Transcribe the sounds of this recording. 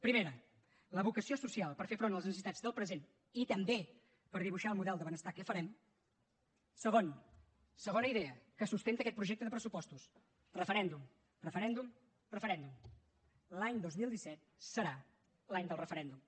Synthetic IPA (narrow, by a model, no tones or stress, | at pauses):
pɾimeɾə | ləβukəsiosusialˠpəɾfefɾonəlˠəznəsit̪ad͡zðəlˠpɾəzen | it̪əmbe | pəɾðiβuʃaəlˠmuðɛlˠd̪əβənəst̪akəfəɾɛm | səɣ̞on | səɣ̞onəiðɛəkəsust̪ent̪əkɛt̪̚pɾuʒɛk̚t̪əðəpɾəsupɔst̪us | rəfəɾɛnd̪um | rəfəɾɛnd̪um | rəfəɾɛnd̪um | laɲd̪ozmilˠd̪isɛt̪̚səɾa | laɲd̪əlˠrəfəɾɛnd̪um